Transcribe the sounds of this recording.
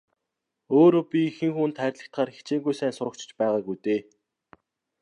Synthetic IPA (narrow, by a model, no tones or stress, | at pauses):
oːɾoːpʲixɘ̆ŋxuːnt̪χæːɾʲɮə̆kt̪χaːrxe̥t͡ɕeːŋɡujsæːnsʊɾə̆k̚t͡ɕʰɪ̥̆t͡ɕpæːʁaːɡujt̪eː